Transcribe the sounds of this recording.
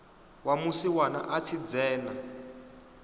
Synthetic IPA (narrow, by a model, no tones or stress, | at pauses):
wamusiwana̰ʔat͡sʰid͡zɛːna